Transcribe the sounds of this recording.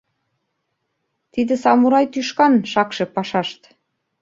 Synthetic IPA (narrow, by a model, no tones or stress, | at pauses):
t̪id̪ĕsɑmuɾɑjt̪yʃkɑnʃɑkʃĕpɑʃɑʃt̪